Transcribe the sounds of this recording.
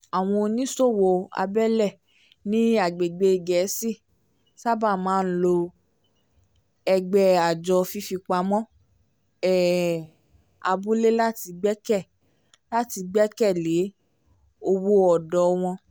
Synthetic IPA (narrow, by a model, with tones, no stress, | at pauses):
a˨w̃ɔ̃˧o˧nĩ˦so˦˨wo˧a̰˧bɛ˦lɛ˦˨ | nĩ˦a˨ɡ͡be˨ɡ͡be˧˨ɡɛ˨˦si˦˨ | sa˦ba˦˨mãː˨˦n̩˦lo˧ | ɛ˧ɡ͡bɛ˧a˨d͡ʒɔ˧fi˧fi˧k͡pa˧mɔ̃˦ | ɛ˦˨ | a̰˧bu˦le˦la˦ti˧ɡ͡bɛ˦kɛ˦˨ | la˦ti˧ɡ͡bɛ˦kɛ˦˨le˨˦ | o˧wo˦ɔ˨dɔ˨˦˧w̃ɔ̃˧